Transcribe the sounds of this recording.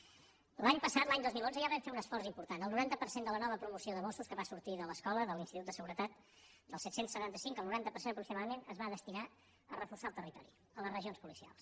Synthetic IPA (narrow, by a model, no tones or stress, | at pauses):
laɲpəsat̪laɲd̪ozmilˠonzəjaβɛɱfeunəsfɔrimpuɾt̪anəlˠnuɾant̪əpəɾsend̪ələnɔβəpɾumusioðəmosuskəβasuɾt̪iðələskɔləðəlinst̪it̪ut̪d̪əsəɣuɾət̪at̪ | d̪əlˠsɛt̪sensːət̪ant̪əsiŋkəlˠnuɾant̪əpəɾsenəpɾuksimaðəmenəzβaðəst̪ina | ərəfursalˠt̪ərit̪ɔ̰ɾḭ | ələzrəʒionspulisia̰lˠs